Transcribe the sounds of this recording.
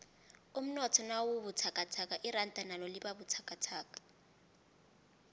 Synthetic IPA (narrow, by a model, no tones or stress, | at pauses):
um̩nɔtʰɔnawʊbutʰakʼatʰakaʔɪrantʼanalɔlɪbabutʰakʼatʰaːkḁ